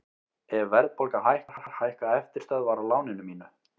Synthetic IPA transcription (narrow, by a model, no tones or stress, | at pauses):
ɛvvɛɾðpɔlkahajhkḁaɾhaɾ̥haːjhkaɛft̪ɪɾ̥st̪œðvaːɾalaːwnɪnʏmiːnʏ